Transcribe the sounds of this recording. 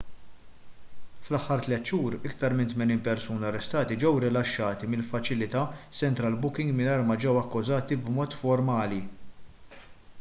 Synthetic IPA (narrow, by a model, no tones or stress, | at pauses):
flɐħːɐɾt̪lɛt̪ːʃuːɾɪkt̪ɐɾmɪnt̪mɛniːnpɛɾsuːniɐrːɛst̪ɐːt̪id͡ʒɛwɾɪlɐʃːɐːt̪imɪlfɐt͡ʃɪlɪt̪ɐsɛnt̪ɾɐlbʊkɪŋɡmɪnɐjɾmɐd͡ʒɛwɐkːʊzɐːt̪ibmɔːt̪fɔɾmɐːli